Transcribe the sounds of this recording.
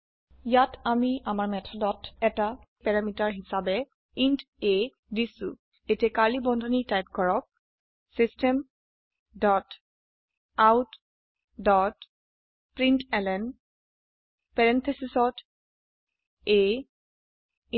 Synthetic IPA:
jatamiamaɹmɛtʰɔdɔtɛta | pɛɹamitaɹɦisabɛ | int | e | disʊ̰ | etiɛkalibɔndʱɔnitajp̚kɔɹɔk̚ | sistɛm | dɔt | awt | dɔt | pɹintɛlɛn | pɛɹɛnt̪ʰesisɔt | e

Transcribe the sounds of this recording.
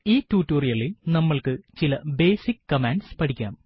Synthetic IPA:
iːtːuːtːuːrijɐɭilnɐmːɐɭkɨt͡ɕilɐbe̞ːsikkɐmaːnɖspɐʈʰikʲːa̰ːm

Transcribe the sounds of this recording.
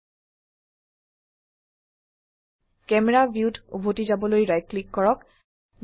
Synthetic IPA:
kɛmɛɹabiutṵbʱotizabɔlojɹajklikːɔɹɔk

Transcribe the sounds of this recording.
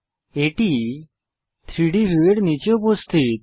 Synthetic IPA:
eʈi | t̪ʰɾiɽibʱiʋeɽnit͡ɕeupost̪ʰit̪̚

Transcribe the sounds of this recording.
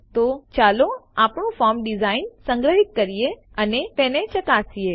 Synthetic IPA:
t̪ot͡ʃaloapɳũfɔɾmɖɪzainsə̃ŋɡɾəɦik̪̚kəɾije | ənet̪ẽnet͡ʃəkasie

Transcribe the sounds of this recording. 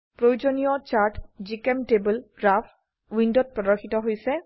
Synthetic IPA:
pɹojud͡ʒonijɔt͡ʃaɹʈzikɛmtebulɡɹapʰ | windɔt̚pɹɔdɔɹxitɔɦojsɛ

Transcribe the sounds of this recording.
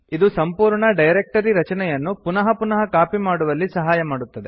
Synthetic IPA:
id̪usɐmpuːɾɳɐɖɐjɾek̚ʈɐɾiɾɐt͡ʃɐnɛjɐnːupunɐɦɐpunɐɦɐkaːpimaːɽuʋɐlːisɐɦaːjɐmaːɽut̪ːɐd̪e

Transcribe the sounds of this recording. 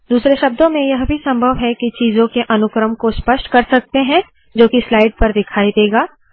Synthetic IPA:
d̪uːsɾeʃɐb̚d̪õmẽjɐɦbʱisɐ̃mbʱəʋɦɛkit͡ʃiːzõkeʔɐnʊkɾəmkospɐʃʈkɐɾsɐk̚t̪eɦɛ̃ | d͡ʒoːkislaːɪɖ̚pɐɾd̪ɪkʰaːid̪eːɡaː

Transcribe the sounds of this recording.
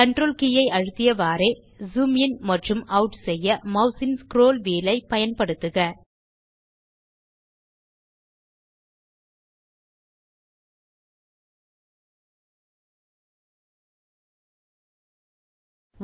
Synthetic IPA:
kɐɳɖroːlkɪjɐɪʔɐɻɯt̪ːɪjɐʋaːɾe | zuːmɪjɐnmɐʈrɯmɐʊʈsɛjːɐmɐʊsɪnskɪɾoːlʋeːlɐɪpɐjɐnpɐɽɯt̪ːɯɣɐ

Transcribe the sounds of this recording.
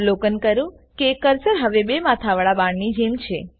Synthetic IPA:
lokənkəɾũ | kekəɾsəɾɦəʋebemat̪ʰaʋəɭabãɳnid͡ʒemt͡ʃʰe

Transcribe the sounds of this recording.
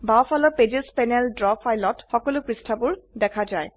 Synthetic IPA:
bawpʰalɔped͡ʒispɛnɛldɹɔpʰajlɔtxɔkɔlʊpɹistʰabʊɹdɛkʰazaj

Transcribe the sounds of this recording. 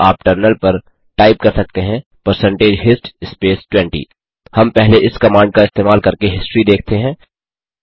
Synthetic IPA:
aːp̚ʈəɾnəlpɐɾ | ʈaːɪp̚kɐɾsɐk̚t̪eɦɛ̃pɐɾsɛ̃ɳʈeːd͡ʒɦɪsʈɪspeːsʈwɛ̃ɳʈḭː | hɐmpɛɦleʔɪskɐmãːɳɖ̚kaɪst̪eːmaːlkɐɾkeɦɪsʈɾid̪eːkʰt̪eɦɛ̃ː

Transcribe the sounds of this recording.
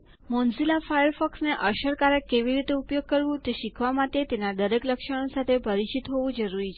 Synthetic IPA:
mɔ̃nzilafajəɾfɔksneʔəʃəɾkaɾekːeʋiɾit̪eupjoɡ̚kəɾʋũt̪eʃikʰʋamãt̪et̪enad̪əɾekləkʃəɽ̃osat̪ʰepəɾit͡ʃit̪ɦoʋũd͡ʒəɾuɾit͡ʃʰe

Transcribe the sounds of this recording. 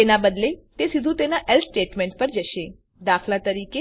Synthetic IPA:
enabəd̪let̪esid̪ʱũt̪enaʔelsʈeʈmẽɳʈ̚pəɾd͡ʒəʃe | d̪akʰlat̪əɾike

